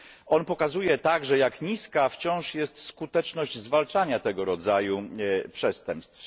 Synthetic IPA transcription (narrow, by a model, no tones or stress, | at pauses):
ɔnpɔkazujɛt̪aɡʐɛjakɲiskaft͡ɕɔ̃w̃ʂjɛst̪skut̪ɛt͡ʂnɔʑd͡ʑzvalt͡ʂaɲat̪ɛɡɔɾɔd̪zajupʂɛst̪ɛmpst̪f